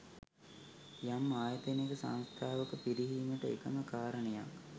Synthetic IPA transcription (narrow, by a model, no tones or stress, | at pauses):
jamːaːjət̪ənekəsa̰ñst̪ʰaːʋəkəpiɾiɦiːməʈəekəməkaːɾəneja̰k